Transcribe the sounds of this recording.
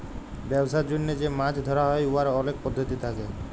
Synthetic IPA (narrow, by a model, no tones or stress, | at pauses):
bɛbsaɾd͡ʒunːed͡ʒemad͡ʒʰd̪ʱɔɾaɦɔjuɦaɾɔɔlek̚pɔd̪ʱːɔt̪it̪ʰake